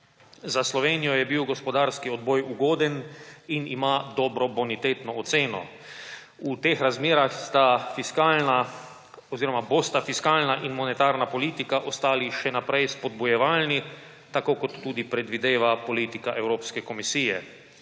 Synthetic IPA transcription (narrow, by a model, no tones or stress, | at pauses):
zaslɔʋeːnijɔjɛbiwɡɔspɔd̪aɾskiɔd̪̚bɔjuɡoːd̪ɛninimaːd̪ɔːbɾɔbɔnit̪eːt̪nɔːt̪seːnɔ̰ | ut̪eːxɾazmeːɾaxst̪afiskana | ɔziːɾɔmabost̪afiskaːlnaʔinmɔnɛt̪aːɾnapɔliːt̪ikaʔɔst̪aːliʃɛnapɾɛjspɔd̪̚bujɛʋaːlni | t̪akoːkɔt̪ːuːd̪ipɾɛd̪ʋid̪eːʋapoliːt̪ikaʔɛwɾoːpskɛkɔmisiːjɛ